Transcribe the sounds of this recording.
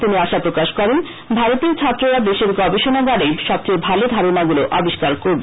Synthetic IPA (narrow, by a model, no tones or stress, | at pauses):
t̪iniaʃapɾokaʃkɔɾen | bʱaɾot̪eɾt͡ɕʰat̪ːɾoɾad̪eʃeɾɡɔbeʃonaɡaɽeʃɔb̚t͡ɕejbʱalod̪ʱaɾonaɡuloʔɔbiʃkaɾkoɾbe